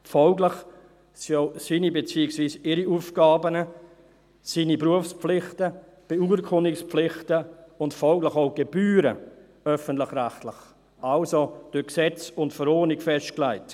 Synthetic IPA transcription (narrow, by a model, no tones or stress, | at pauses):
fɔlɡlɪχ | sioʊsiːnibet͡siːɪksviːsɪɾiuːfɡ̥ɑːbənə | siːnipɾuəfspp͡flɪχtə | b̥euːɾkʰʊnɪksplɪχtəʊntfɔlɡlɪχoʊɡ̥eb̥yːɾə | œfəntlɪχræχtlɪχ | alsod̥ʊksɛt͡sʊntfəɾɔːnɪkfɛst̚klæɪt